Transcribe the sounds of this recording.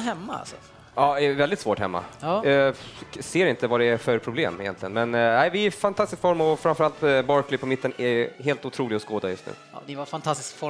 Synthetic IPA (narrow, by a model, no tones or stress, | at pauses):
hɛmːaa̰lsɔ | ɑːɛvɛld̪ɪt̪svoːʈhɛ̰mːa̰ | seːɾɪnt̪əvaɖɛæfœɾpʰɾʊblḛːmɪjɛ̰nt̪lɪɡənmɛnæɪvɪɪfant̪ʰast̪ɪskfɔɾmɔfɾanfœɾalt̪bɑːɾkʰlɪpʰɔmɪt̪ːənɛɦeːlt̪ʊt̪ʰɾuːlɪɡɔskoːd̪ajɵ̰st̪nʉ̰ːnɪvafant̪ʰast̪ɪ̥skfɔ